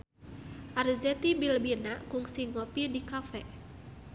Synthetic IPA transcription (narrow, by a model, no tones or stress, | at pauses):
ʔarzɛt̪ibilbinakuŋsiŋɔpidikafɛ